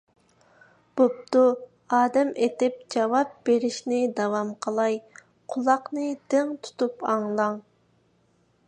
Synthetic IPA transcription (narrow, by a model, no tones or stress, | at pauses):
b̥op̚t̪u | ɑːd̪ɛmet̪ɪp̚d͡ʒɑwɑp̚beɾɪʃnɪd̪ɑwɑmqʰəlˠɑj | qʰʊlˠɑqnɨd̪̥ɪŋt̪ʰu̥t̪upɑŋlˠɑŋ